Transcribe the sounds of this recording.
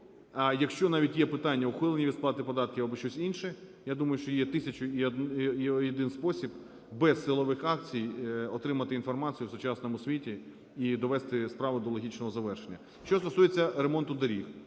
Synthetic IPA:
ɐjɐkʃt͡ʃɔnɑʋʲitʲjɛpɪt̪ɑnʲːɐʊxʋɪlˠenʲiʋʲid̪splˠɑt̪ɪpɔd̪ɑt̪̚kʲiʋɐbɪʃt͡ʃɔsʲinʃɛjad̪umɐjʊʃt͡ʃɔjɛt̪ɪsʲɐt͡ʃʊi | jɔd̪ɪnspɔsʲib | bɛsːɪlˠɔʋɪxɑk̚t͡sʲijɔt̪ɾɪmɐt̪ɪinfɔrmɑt͡sʲijʊwsʊt͡ʃɑsnɔmʊsʲʋʲitʲi | id̪ɔʋɛst̪ɪspɾɑʋʊd̪ɔlˠɔɦʲit͡ʃnɔɦɔzɐʋɛrʃenʲːɐ | ʃt͡ʃɔst̪ɔsujet͡sʲːɐɾemɔnt̪ʊd̪ɐɾʲix

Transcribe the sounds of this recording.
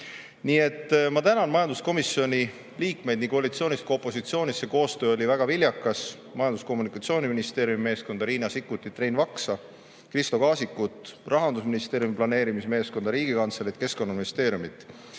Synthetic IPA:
niːe̞t̪ːmɑt̪ænɑnmɑjɑnd̪usko̞misjo̞nʲi | liːkme̞jd̪niŋkoɑlit̪sio̞ːnʲist̪̚ko̞pːˑo̞sit̪sioːnʲisːe̞ko̞ːst̪øːolʲivæɡ̥ɑvilʲjɑkːˑɑs | mɑjɑnd̪usko̞mːunikˑɑt̪sio̞ːnʲiminist̪e̞ːɾjumime̞ːskond̪ɑɾiːnɑsikːˑut̪ːˑit̪rejnvɑksɑ | krist̪o̞kɑːsikːˑut̪ˑrɑɦɑnd̪us̬minist̪e̞ːɾjumiplɑne̞ːɾimisme̞ːsko̞nd̪ɑɾiːɡ̥ikɑnt̪selit̪ke̞sko̞nːɑminist̪e̞ːɾjumit̪ˑ

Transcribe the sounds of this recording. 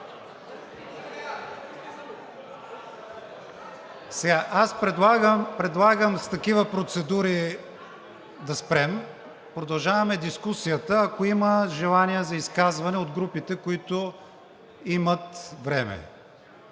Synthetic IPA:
sɛɡaʔaspɾɛd̪lˠaɡəmpɾɛd̪lˠaɡəmst̪ɐkivəpɾot̪sɛd̪uɾi | d̪ɐspɾɛm | pɾod̪ɐlˠʒavɐmɛd̪iskusijət̪əːkoiməʒɛlˠanijəzɐiskazvɐnɛod̪ɡɾupit̪ɛkoit̪o | imət̪vɾɛmɛ̰

